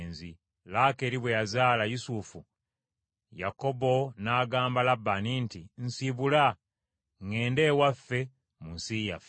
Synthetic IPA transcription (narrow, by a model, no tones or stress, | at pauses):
nzi | lake̞ɾiβwejazaːlajusufu | ja̰ko̞bo̞naːɡaːmbalabːanintinsiβula | ŋe̞ːnde̞ːwafːe̞ | munsijaf